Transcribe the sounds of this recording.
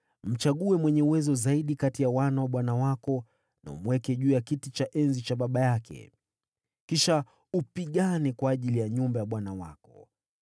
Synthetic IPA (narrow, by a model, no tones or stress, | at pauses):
m̩t͡ʃaɠuɛmwɛɲɛuwɛzɔzaiɗikatijawanawaɓwanawakɔ | na̰ṵmuwɛkɛʄuːjakitit͡ʃaʔɛnzit͡ʃaɓaɓajakʰɛ̰ | kiʃa | upiɠanikwaːʄilijaɲumbajaɓwanawa̰kɔ